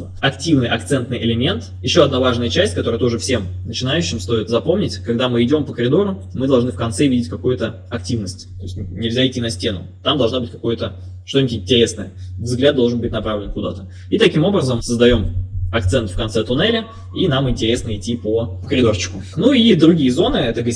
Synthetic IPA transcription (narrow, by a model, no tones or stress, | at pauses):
ɐktʲivnɨjʔɐkt̪sɛnt̪nɨjʔɪlʲɪmʲent̪jɪɕːo̞ɐd̪navaʐnəjət͡ɕæsʲtʲkɐt̪o̞ɾət̪o̞ʐɨfsʲe̞mnət͡ɕɪnajʉɕːɪmst̪o̞ɪt̪zɐpo̞mnʲɪtʲkɐɡd̪amɨɪdʲo̞mpəkəɾʲɪd̪o̞ɾʊmɨd̪ɐlˠʐnɨfkɐnt̪sɛvʲidʲɪt̚ʲkɐkujʊt̪ə | ɐk̚tʲivnəsʲtʲt̪o̞jɪsʲtʲnʲɪlʲzʲaɪtʲːinɐsʲtʲe̞nʊ̰ | t̪amd̪ɐlˠʐnabɨtʲkɐ̥ko̞jʊt̪ə | ʂt̪onʲɪtʲɪnʲtʲɪɾʲe̞snəjəvzɡlʲad̪d̪o̞lˠʐənbɨtʲnɐpɾavlʲɪnkʊd̪a̰t̪ə | it̪ɐkʲimo̞bɾəzəmsəzd̪ɐjo̞mɐk̚t̪sɛnt̪fkɐnt̪sɛt̪ʊnɛlʲɪ | inamɪnʲtʲɪɾʲe̞snəɪtʲːipəkəɾʲɪd̪ort͡ɕːɪ̥kʊ | nuid̪ɾʊɡʲijəzo̞nɨɛt̪əɡ